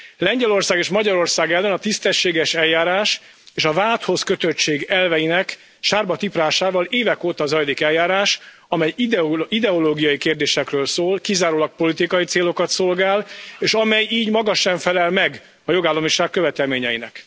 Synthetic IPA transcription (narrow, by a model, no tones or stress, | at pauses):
lɛɲɟɛlo̞rsaːɡeːʃmɒɟɒɾo̞rsaːɡɛlːɛnɒt̪ist̪ɛʃːeːɡɛʃɛlːaːɾaːʃ | eːʃɒvaːlt̪ho̞skøt̪øt͡ʃeːɡɛlvɛjinɛk | ʃaːrbɒt̪ipraːʃaːvɒleːvɛkoːt̪ɒːzɒjlikɛljaːɾaːʃ | ɒmɛj̪id̪ɛoloːɡijɒjikeːrd̪eːʃɛkrøːlsoːlkizaːɾoːlɒk̚po̞lit̪ikɒjit̪seːlo̞kɒt̪so̞lɡaːleːʃɒmɛjiːɟmɒɡɒʃɛɱfɛlɛlmɛɡ | ɒjo̞ɡaːlːɒmiʃaːkkːøvɛt̪ɛlmeːɲɛjinɛ̰k